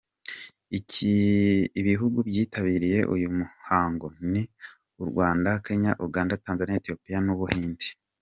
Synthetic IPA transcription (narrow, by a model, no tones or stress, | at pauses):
ici | βiɦuɡubjiːtaβiːɾije̞ʔujumuhaːŋɡo̞ni | uɾɡwaːndake̞ɲaʔuɡaːndataːnzanjaetijo̞pijanuβuhiːndi̥